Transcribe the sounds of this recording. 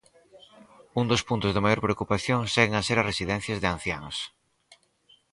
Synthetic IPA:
und̪ospunt̪ozðɪmajoɾpɾeokupaθjoŋseɣeŋaseɾaresiðɛn̟θjazðeãn̟θjaŋs

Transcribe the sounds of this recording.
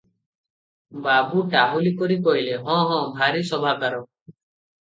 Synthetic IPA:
babuʈaɦulikɔɾikɔɦileɦɔ̃ɦɔ̃bʱaɾisɔbʱakaɾɔ

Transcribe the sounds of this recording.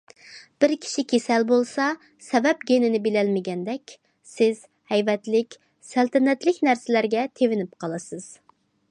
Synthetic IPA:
b̥ɪɾkʲʰi̥ʃikʲʰesɛlbolˠsɑ | sɛbɛpɡʲenɪnɪbelɛlmɪɡʲɛnd̪ɛkʲ | sɪz̥ | hɛjvɛt̪lɪkʲ | sælt̪ɪnɛt̪lɪkʲnæɾsɪlæɾɡʲɛt̪ʰevɪnɪp̚qʰɑlˠɨsɨz̥

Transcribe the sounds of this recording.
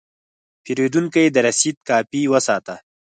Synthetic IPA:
peɾed̪uŋkajed̪əɾasit̪̚kɑːpiwəsɑt̪a

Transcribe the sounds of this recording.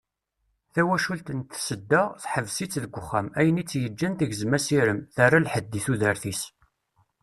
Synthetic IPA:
θæwæʃult̪ənt̪səd̪ːəʁθħəvsit͡sːðəɡʷəχːæmæjənit͡sːjəd͡ʒːænt̪iʝzmæsiɾəmθarˤːalħəd̪ːiθuðəɾθis

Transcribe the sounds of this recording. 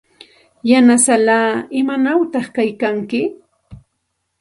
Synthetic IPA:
janasalaːɪmanawt̪ɑχkajkaŋkɪ

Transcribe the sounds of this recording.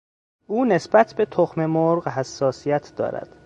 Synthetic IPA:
ʔuːne̞sbæt̪ʰbe̞t̪ʰoxme̞moɾɢɦæsːɒːsijæt̪ʰd̪ɒ̰ːɾæ̰d̪̥

